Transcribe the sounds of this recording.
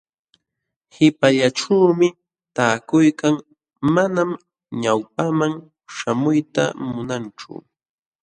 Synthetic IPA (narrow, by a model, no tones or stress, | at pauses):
hɪpaʎaʈ͡ʂawmɪ | t̪aːkʊjkaŋ | manam | ɲawp̚amaŋ | ʃamʊjt̪a̰mʊnant͡ʃʊ̰